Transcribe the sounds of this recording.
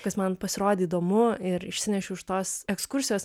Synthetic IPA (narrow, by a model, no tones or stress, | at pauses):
kɐsmɐnpɐsʲɪɾoːd̪ʲeiːd̪oːmʊɪɾɪʃʲsʲɪnʲɛʃʲʊɪʃt̪oːsɛkskʊɾʲsʲɪjoːs